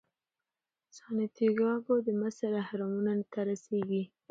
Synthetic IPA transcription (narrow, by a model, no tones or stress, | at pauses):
sɑnat̪iɡɑɡod̪əmasaɾahaɾɑmunant̪aɾaseɡi